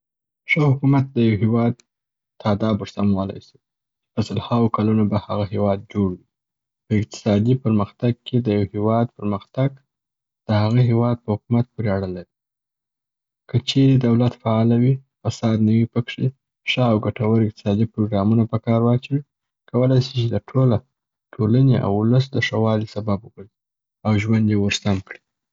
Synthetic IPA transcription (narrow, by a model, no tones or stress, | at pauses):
ʂəhʊkumat̪̚d̪əjawɦewɑd̪ | t̪ʰɑd̪ɑbʊɾsamwɑla̰jsi̥ | t͡ʃpəsalhawokalunobahaɣahewɑd̪̚d͡ʒoɽwi | pəɪq̚t̪ɪ̥sɑd̪ipəɾməxt̪aɡ̚kʰed̪əjawhewɑd̪pəɾməxt̪aɡ | d̪̥əhaɣaɦewɑd̪̚pəhʊkumat̪̚poɾeaɽəlawi | kət͡ʃeɾed̪awlat̪faɑlawifasɑd̪nəwipəkʂe | ʂaawɡaʈawaɾɪq̚t̪ɪ̥sɑd̪ipɾoɡɾɑmunapəkɑɾwɑt͡ʃwi | kawəlajsit͡ʃed̪əʈʰola | ʈʰolaneʔa̰wʊləs̬d̪əʂawɑlisababubazi | awʒwand̪jewəɾsamkɽi̥